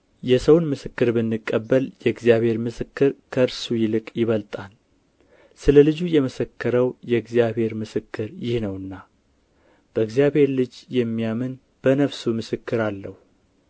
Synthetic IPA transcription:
jɛsəwnmɨsɨkːɨɾbɨnːɨkʼːəbːəljɛɡzijaβhe̞ɾmɨsɨkːɨɾkʰəɨɾsujɪlɨkʼjɪβəlt̪ʼal | sɨləlɨd͡ʒujɛməsəkːəɾəwjɛɡzjaβhe̞ɾmɨsɨkːɨɾjɪhnəwɨnːa | b̥əɨɡzijaβhe̞ɾlɨd͡ʒjɛmːijamɨn | b̥ənəfsumɨsɨkːɨɾalːəhu

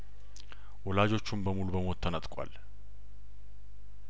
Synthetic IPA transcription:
wɔlad͡ʒo̞t͡ʃːumbəmulubəmo̞t̪ʰːənət̪ʼkʼa̰l

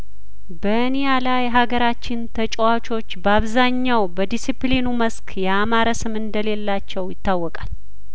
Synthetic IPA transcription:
bə | nijalajɦaɡəɾat͡ʃːɪnt̪ʰət͡ʃʼwat͡ʃʼo̞t͡ʃːbəaβzaɲːawbəd̪isiplinuməskʰjɛamaɾəsɨmɨnd̪əle̞lːat͡ʃːɛwjɪt̪ːawːɔkʼal

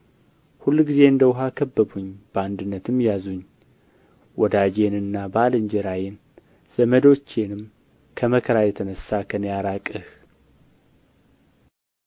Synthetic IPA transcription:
hulːɡize̞ɨnd̪əwʊɦakʰəbːəbuɲːb̥əand̪ɨnːət̪ʰɨmjazuɲː | wʔɔd̪ad͡ʒe̞nɨnːabalɨɲd͡ʒɛɾajɪn | z̥əməd̪o̞t͡ʃːe̞nɨm | kʰəməkʰəɾajɛt̪ʰənəsːakʰənjaɾakʼɨh

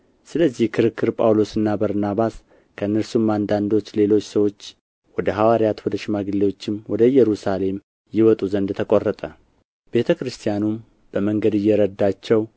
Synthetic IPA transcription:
sɨləzːihkʰɨɾɨkːɨɾpʼa̰wlo̞sɨnːabəɾnaβas | kʰəɨnːɨɾsumːand̪and̪o̞t͡ʃːle̞lo̞t͡ʃːsəwo̞t͡ʃː | wɔd̪əɦawaɾjat̪wɔd̪əʃɪmaɡɨlːewo̞t͡ʃːɪmwɔd̪əjɛɾusale̞m | jɪwɔt̪ʼuzənd̪t̪ʰəkʼorːət̪ʼə | b̥e̞t̪ʰəkɾɨst̪ʰijanum | b̥əməŋɡəd̪ɨjːɛɾəd̪ːat͡ʃːɛw

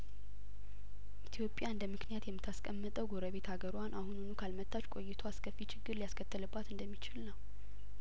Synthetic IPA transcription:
ʔit̪ʰjo̞pʼːjaɨnd̪əmɨknijat̪jɛmːɨt̪ʰːaskʼəmːət̪ʼəwɡoɾəβe̞t̪haɡəɾwanʔahununukʰalmət̪ʰːat͡ʃkʼo̞jːɪt̪ʰoaskʰəfːit͡ʃʰɪɡːɨɾlijaskʰət̪ʰːɨlɨbːat̪ɨnd̪əmːit͡ʃɪlnəw

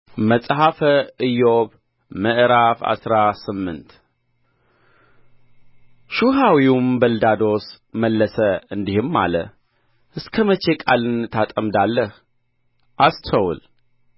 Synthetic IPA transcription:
məsʼɦafəɨjːoβ | məʔɾafa̰sɾasɨmːɨnt̪ | ʃuɦawiwumbəld̪ad̪o̞s | məlːəsəɨnd̪ihɨmːa̰lə̰ | ʔɨskʰəmət͡ʃe̞kʼalɨnt̪ʰat̪ʼəmd̪alːəh | ʔast̪ʰəwl

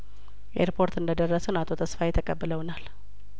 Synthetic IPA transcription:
ʔʔḛɾpʰo̞ɾt̪ɨnd̪əd̪ərːəsənat̪ʰot̪ʰəsfajɛt̪ʰːəkʼəbːɨləwnal

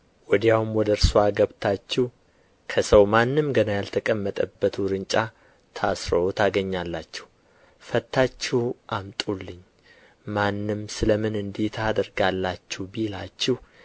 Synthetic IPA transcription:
wɔd̪ijawumwɔd̪əɾsuaɡəβt̪ʰat͡ʃːɪh | kʰəsəwmanːɨmɡənajalt̪ʰəkʼəmːət̪ʼəbːət̪ʰuɾɨnt͡ʃʼa | t̪ʰasɾəot̪ʰaɡəɲːalːat͡ʃːɛ̥h | fət̪ʰːat͡ʃːɪhʔamt̪ʼulːɨɲː | manːɨmsɨləmɨnɨnd̪it̪ʰad̪əɾɡalːat͡ʃːɛhbilat͡ʃːɪh

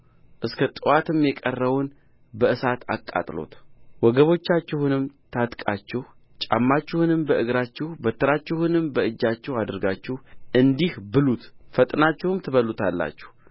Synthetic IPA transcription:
ʔɨskʰət̪ʼɨwat̪ɨmjɛkʼərːəwʊn | bəɨsat̪ʰa̰kʼːa̰t̪ʼlo̞̰t̪wɔɡəβo̞t͡ʃːat͡ʃːɪhunɨmt̪ʰat̪kʼat͡ʃːɪh | t͡ʃʼa̰mːat͡ʃːɪhunɨmbəʔɨɡɾat͡ʃːɪhbət̪ːɨɾat͡ʃːɛhʊnɨmbəɨd͡ʒːat͡ʃːɪhad̪əɾɡat͡ʃːɪhʔɨnd̪ihbɨlut̪fət̪ʼnat͡ʃːɛhɨmt̪ʰɨβəlːut̪ʰalːa̰t͡ʃːɛ̥h

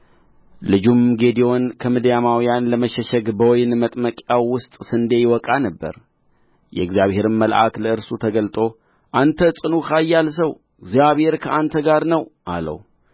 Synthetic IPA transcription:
lɨd͡ʒumɡe̞d̪ijo̞nkʰəmɨd̪jamawjanləməʃɛʃɛɡbəwjnmət̪ʼməkʼjawːʊst̪ʼsɨnd̪e̞jwɔkʼanəbːə̰ɾ | jɛ̰ɨɡzjaβhe̞ɾɨnməlʔa̰kləɨɾsut̪ʰəɡəlt̪ʼo̞ | ʔant̪ʰəsʼɨnukʰajːals̬əw | ɨɡzijaβhe̞ɾkʰəant̪ʰəɡaɾnəwʔa̰lə̰w

